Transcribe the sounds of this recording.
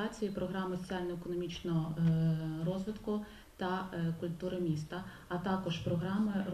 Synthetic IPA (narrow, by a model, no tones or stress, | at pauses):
ɑt͡sʲijipɾɔɦɾɑmɪsɔ̥t͡sʲialʲnɔekɔnɔmʲit͡ʃnɔɦɔ | rɔzʋɪt̪kʊ | t̪ɐkʊlʲt̪uɾɐmʲist̪ɐ | ɐt̪ɑkɔʒpɾɔɦɾɑmɪ